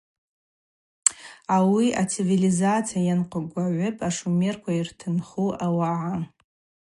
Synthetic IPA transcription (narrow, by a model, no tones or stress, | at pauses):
awiʔat͡sʰivilizat͡sʰijajanqʷʼaɡʷaʕʷʊpʼaʂumerkʷʰairtʰɨnχuʔawaʕa